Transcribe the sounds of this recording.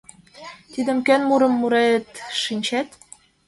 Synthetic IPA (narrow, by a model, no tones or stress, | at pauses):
t̪id̪ə̆mkønmuɾɤ̆mːuɾet̪ʃinʲt͡ɕæt̪